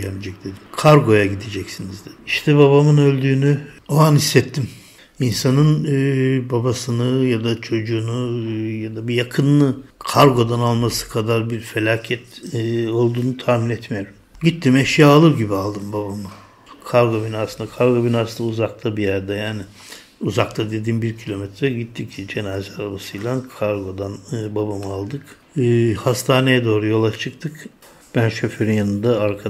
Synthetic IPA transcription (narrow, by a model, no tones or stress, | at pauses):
jɛmid͡ʒɛc̚d̪̥e̞d̪imkʰaɾɡo̞jaɟid̪ed͡ʒɛcsinizd̪ɛiʃt̪ʰɛbaβamɯnø̞lʲd̪yːnyoanisːɛt̪ʰːim | insanɯn | babasɯnɯjad̪at͡ʃʰo̞d͡ʒuːnujad̪abijakʰɯnlːˠɯkʰaɾɡo̞d̪analˠmasɯ̥kʰad̪aɾbiɾfe̞lʲaːcʰɛt̪ːo̞lˠd̪uːnut̪ʰaːminɛt̪meɾim | ɟit̪ʰːimɛʃjaːlˠɯɾɟibialˠd̪ɯmbabamɯ | kʰaɾɡo̞binaːsɯnakʰaɾɡo̞binaːsɯnd̪auzakt̪ʰabijæɾd̪ɛjaːnɪ | uzakt̪ʰad̪ed̪imbiɾcʰilʲo̞mɛt̪ʰɾɛɟit̪ʰːicd͡ʒe̞naːzaɾabasɯjlˠankʰaɾɡo̞d̪anbabamɯalˠd̪ɯkː | hast̪ʰaːne̞jɛd̪o̞ːɾujo̞lˠat͡ʃʰɯk̚t̪ʰɯk | b̥ænʃøføɾynjanɯnd̪aaɾkʰa